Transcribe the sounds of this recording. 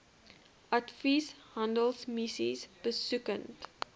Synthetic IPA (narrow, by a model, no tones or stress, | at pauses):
ʔatfishãndəlˠsmisḭsb̥əsʉkə̃nt